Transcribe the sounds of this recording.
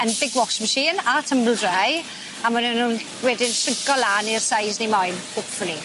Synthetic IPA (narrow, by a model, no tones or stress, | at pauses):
ənbɪɡwɔʃməʃiːnatʰəmbl̩ˠdraj | amanənuːn | wɛːdɪnsɪŋkɔlanirsajznemɔjnkʰoːpfʊni